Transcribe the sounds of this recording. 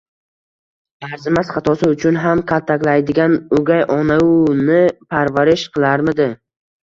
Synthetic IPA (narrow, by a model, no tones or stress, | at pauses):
aɾzɪmasχɑt̪ʰɒsɪʊt͡ʃʰʊnɦamqʰalˠt̪ʰːakʲlajd̪ɪɡʲanʊɡʲajʔɒnaʊnɪpʰaɾvaɾɪʃqʰɨlˠaɾmɪd̪ɪ